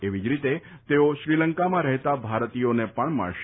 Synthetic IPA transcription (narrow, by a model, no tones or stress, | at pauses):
eʋid͡ʒɾit̪et̪eoʃɾiləŋkamãɾɛɦt̪abʱaɾt̪ijonepəɳma̰ɭʃ